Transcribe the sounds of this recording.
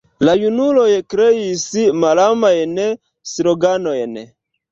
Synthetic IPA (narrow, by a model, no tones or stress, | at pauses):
lajunulojkɾeisimalamajne | siɾoɡanojne